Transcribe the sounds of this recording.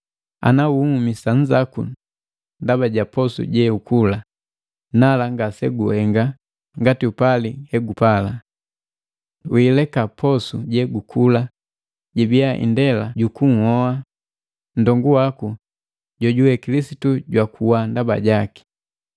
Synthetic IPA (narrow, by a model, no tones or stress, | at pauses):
a̰nauumisaɲd͡ʒakṵ | ndabaɟapɔsṵɟɛukula | nalaŋɡasɛɡuhɛŋɡa | ŋɡatiupalihɛɡupala | wilɛkapʰɔsuɟɛɡukʰula | ɟɛbiaʔḭndɛlaɟukuŋ̩hɔa | n̩dɔŋɡuwaku | ɟɔɟuwɛkilisituɟwakuwandaba̰ɟaki̥